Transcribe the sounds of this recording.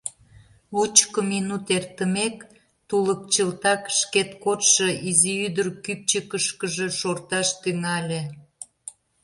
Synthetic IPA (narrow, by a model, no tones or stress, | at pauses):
ut͡ɕkəminut̪ert̪əmek | t̪ulək̚t͡ɕəlt̪ɑkʃket̪kot̪ʃə̆ʔiziyd̪ərkyp̚t͡ɕəkəʃkəʒeʃort̪ɑʃt̪yŋɑlʲe